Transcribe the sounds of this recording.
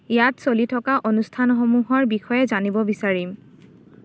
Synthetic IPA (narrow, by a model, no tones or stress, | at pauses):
ijatsolitʰɔkaʔonustʰanɔxɔmuɦɔɹbixɔjɛzanibɔbisaɹim